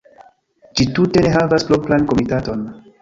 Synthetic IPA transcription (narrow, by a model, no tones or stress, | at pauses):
d͡ʒitute̞neɦavasploplanko̞mitato̞n